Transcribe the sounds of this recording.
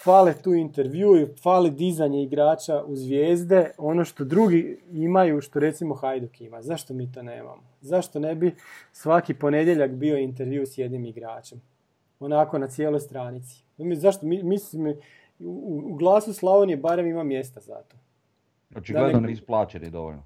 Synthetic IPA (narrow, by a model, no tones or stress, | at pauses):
falet̪uːint̪eɾʋjuifalid̪izaɲeiɡɾaːt͡ʃauzʋjeːzd̪e̞o̞no̞ʃt̪o̞d̪ɾuɡiimajuʃt̪o̞ɾe̞t̪simo̞xajd̪ukimazaʃt̪o̞miːt̪o̞nḛːma̰mozaʃt̪o̞nebisʋakipo̞ne̞d̪jeʎakbio̞int̪̬eɾʋjiusje̞d̪nimiɡɾaːt͡ʃe̞m | o̞nako̞nat̪sjelo̞jst̪ɾaːnit̪si̥izaʃt̪omimisim | uuɡlˠaːsuslˠaʋonjebaɾe̞mimamːje̞st̪aza̰t̪o̞ | ot͡ʃiɡ̪led̪onisplˠaːt͡ʃenḭd̪o̰ʋo̰ʎno